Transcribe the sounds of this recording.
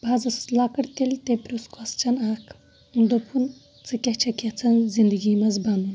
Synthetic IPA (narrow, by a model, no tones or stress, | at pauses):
baːzɐslakɐɽt̪elʲt̪epɾuskʰɔst͡ʃʰɐnaːkʰ | und̪opʰun | t͡sɨkʲɐht͡ʃʰɐkʲɐt͡sʰɐnzind̪əɡimɐzband̪un